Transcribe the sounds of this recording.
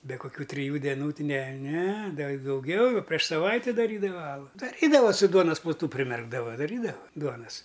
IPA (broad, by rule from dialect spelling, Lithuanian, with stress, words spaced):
bʲɛ kʊˈkʲuː tʲrʲɪˈjuː dʲɛˈnuː nʲɛ nʲɛ ˈdɐ ɪ dɐʊˈɡʲɛʊ jɛʊ pʲrʲiɛʃ sɐˈʋɐɪtʲɪ dɐˈrʲiːdɐʋɐ ˈɑːlˠʊ dɐˈrʲiːdɐʋɐ sʊ ˈduɔnɐs plˠʊˈtʊ pʲrʲɪˈmʲɛrɡdɐʋɐ dɐˈrʲiːdɐʋɐ ˈduɔnɐs